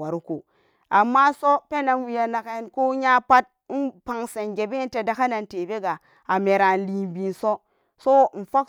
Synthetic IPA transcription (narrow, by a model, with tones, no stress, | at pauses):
a˨ɾu˦ko˨ | a˨mːa˦so˦pe˦na˨nwi˨ja˨na˨ka˨˦nko˦ɲa˦pa˦t̚pa˨ŋse˨nɡe˨be˦n˦ta˨da˨ka˦na˨nte˨be˦ɡa˨ | a˨me˨ɾa˨n˨li˨bi˨nso˦ | so˦n̩˨fa˦k